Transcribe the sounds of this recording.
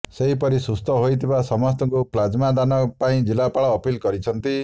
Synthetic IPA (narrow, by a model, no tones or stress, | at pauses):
seɦipɔɾisust̪ʰɔɦojt̪ʰibasɔmɔs̬t̪ɔŋkuplad͡ʒmad̪anɔpaĩd͡ʒilapaɭɔːpilkɔɾit͡ʃʰɔnt̪i